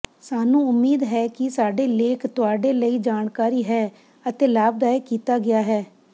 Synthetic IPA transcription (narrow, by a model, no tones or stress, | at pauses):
saːnũːʊmːiːd̪ɦɛːkɪsaːɖeːleːkʰt̪ʊaːɖeːləiːd͡ʒaːnkaːɾiːɦɛː | ət̪eːlaːb̚d̪aːekiːt̪aːɡɪaːɦɛː